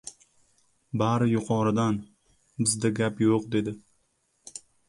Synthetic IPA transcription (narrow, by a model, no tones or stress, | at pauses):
baɾɪjʊqʰɒɾɨd̪an | bɪzd̪aɡʲapjoqd̪e̞d̪ɪ